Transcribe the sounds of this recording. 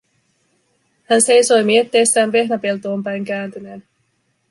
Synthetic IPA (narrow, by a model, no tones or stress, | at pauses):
hænse̞jso̞jmie̞t̪ːe̞jst̪ːæːnʋe̞hnæpelt̪o̞ːmpæjŋkæːnt̪yneːn